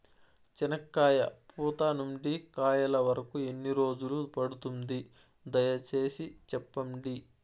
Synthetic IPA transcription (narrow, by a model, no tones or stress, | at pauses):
t͡ʃinɐkːaːjɐ̰puːt̪aːnumɖikaːjɐlɐʋɐɾɐkue̞nːiɾo̞ːd͡ʒulupɐɽut̪und̪i | d̪ɐjɐt͡ʃe̞ːsit͡ʃɛpːɐɳɖi